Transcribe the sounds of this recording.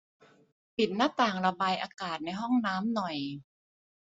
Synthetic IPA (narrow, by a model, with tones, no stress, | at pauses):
pi˨˩t̪̚naː˥˩t̪aː˨˩ŋɾa˧baː˧jʔaː˧kaː˨˩t̪̚na˧jɦɔ˥˩ŋnaː˦˥mnɔ˨˩j